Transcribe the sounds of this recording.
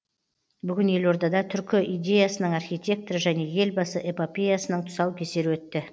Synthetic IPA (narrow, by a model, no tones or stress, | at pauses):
bʏɡʲɪne̞lo̞ɾd̪ɑd̪ɑt̪ʰʏɾkʲɪʔijd̪ʲe̞jasənəɴɑrχʲijt̪ʲe̞k̚t̪ɾəʒæne̞je̞lbɑsəʔepopʲe̞jasənəɴt̪ʰʊ̥sɑwkʲʰe̞se̞ɾɪwɵt̪ːɪ